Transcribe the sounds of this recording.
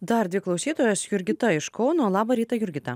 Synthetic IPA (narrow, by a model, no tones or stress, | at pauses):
d̪ɐɾd̪ʲʋʲɪklˠɒʊsʲiːt̪oːjɛsjʊɾʲɡʲɪt̪ɐɪʃkɔʊnoːlˠɑːbɐɾʲiːt̪ɐjʊɾʲɡʲɪt̪ɐ